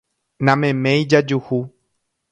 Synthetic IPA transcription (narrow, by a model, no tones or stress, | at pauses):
nãmẽmẽjd͡ʒad͡ʒuhu